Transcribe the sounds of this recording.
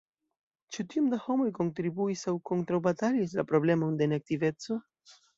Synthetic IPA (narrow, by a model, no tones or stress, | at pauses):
t͡ʃutiomdaho̞mo̞jko̞ntɾibuisawko̞ntɾawbatalis̬lapɾo̞ble̞mo̞nde̞nek̚tive̞t͡so̞